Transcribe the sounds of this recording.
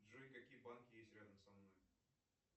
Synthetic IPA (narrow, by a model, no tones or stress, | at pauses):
ʐojkɐkʲijəbankʲɪjesʲtʲɾʲad̪əmsɐmnoj